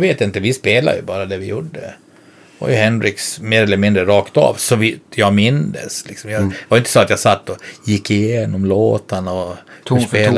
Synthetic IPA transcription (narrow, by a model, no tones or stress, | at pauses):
veːt̪ɪnt̪əvɪspeːla̰jɵ̰bɑːɾad̪ɛvɪjuɖːə̰ | va̰jɵhɛnɾɪksmeːɾɛlːəɾmɪnd̪ɾəɾɑːkt̪ɑ̰ːvsɔvɪt̪ʰjɑɡmɪnd̪ə̰slɪksɔmjɑd̪vajʏɪnt̪ə̥sɔat̪jɑsat̪ːɔjɪkːɪjeːnɔmloːt̪anɔpeːl